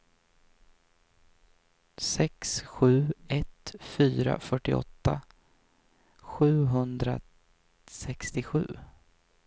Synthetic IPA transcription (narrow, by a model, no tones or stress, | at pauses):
sɛksɧʉ̟ːɛt̪fyːɾa̰fœʈːɪʔɔ̰t̪ːa | ɧʉ̟ːɦɵnd̪ɾa | sɛkst̪ɪɧʉ̟̰ː